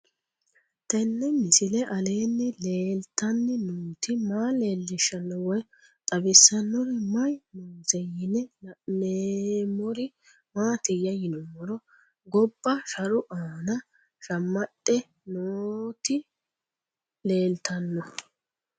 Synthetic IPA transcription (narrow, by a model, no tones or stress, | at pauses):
t̪ɛnːɛmɪsɪlɛʔɐle̞ːnːɪleːlt̪ːɐnːɪnuːt̪ɪmaːle̞ːlːɪʃːɐnːɔwɔj | t̪ʼɐbɪsːɐnːɔɾɪmɐjnuːzɛjɪnɛneːmɔɾɪ | maːt̪ɪjːɐjɪnɔmːɔɾɔ | ɡɔbːɐʃɐɾʊʔaːnɐ | ʃɐmːɐɗʼːɛ | noːt̪ɪ | le̞ːlt̪ʰɐnːɔ